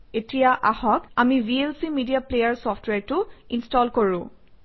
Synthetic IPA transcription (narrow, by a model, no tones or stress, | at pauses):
etijaʔahɔkamibielsimidijaplejaɹsɔfʰtweaɹtʊinstɔlkoɹʊ̃